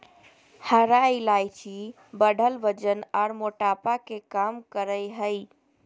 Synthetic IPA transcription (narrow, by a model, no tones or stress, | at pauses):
həɾailajt͡ʃʰi | bəɖʱəlʋəd͡ʒənaɾmoʈapakekamkəɾəjɦəi